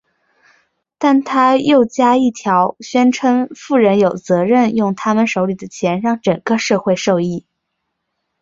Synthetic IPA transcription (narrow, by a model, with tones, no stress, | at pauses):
t̪a˥˩nt̪ʰa˥jo˥˩ʊt͡ɕja˥i˥˩t̪ʰjɑ˧˥ʊɕɥɛ˥nʈ͡ʂʰɤ˥ŋfu˥˩ɻə˧˥njo˨˩ʊt͡sɤ˧˥ɻə˥˧njʊ˥˩ŋt̪ʰa˥mə˨nʂo˧˥ʊli˨˩d̪ə˦t͡ɕʰjɛ˧˥nɻɑ˥˩ŋʈ͡ʂɤ˨˩ŋkə˥˧ʂɤ˥˧xwe˥˧ɪʂo˥˧ʊi˥˩